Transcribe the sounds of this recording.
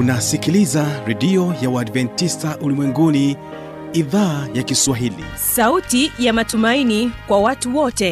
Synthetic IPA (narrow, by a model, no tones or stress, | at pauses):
unasikilizaɾɛɗiɔjawaːdvɛntistaʔulimwɛŋɡuni | iðaːjakiswaɦilḭ | sautijamatumainikwawatuwɔtɛ